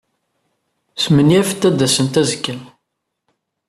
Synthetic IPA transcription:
smənjæfə̥t̪ːæd̪ːæsənt̪æzəkːəl

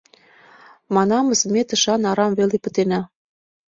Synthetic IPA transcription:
mɑnɑmɤ̆smet̪ə̆ʃɑnɑɾɑmvelepə̆t̪enæ

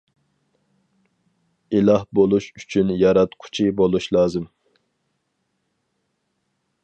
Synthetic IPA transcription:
ilˠɑhbolˠuʃyt͡ʃʰynjɑɾɑt̪qʰʊ̥t͡ʃʰibolˠuʃlˠɑːzɨm

